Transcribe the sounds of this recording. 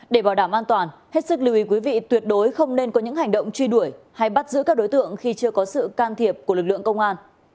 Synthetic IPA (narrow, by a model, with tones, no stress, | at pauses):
ɗe˧˩ɓaː˧˩wɗaː˧˩mʔaː˧nt̪waː˨˩nhe˦˥t̚sɨ˦˥k̚li˧˩wʔi˨˦kwi˨˦vḭ˧˨t̪wi˨˩ət̚ɗo˨˦jxə˧wŋ͡mne˧nkɔ˨˦ɲɨ̰˧˥ŋɦa˨˩jŋ̟ɗə̰˧˨wŋ͡mt͡ɕwi˧ɗu˧˩əj | ha˧jɓa˦˥t̚zɨ̰˧˥kaː˦˥k̚ɗo˨˦jt̪ɨ̰˧˨əŋxi˧t͡ɕɨ˧əkɔ˨˦sɨ̰˧˨kaː˧nt̪ʰi˨˩əp̚ku˧˩lɨ˨˩k̚lɨ̰˧˨əŋkə˧wŋ͡mŋʔaː˧n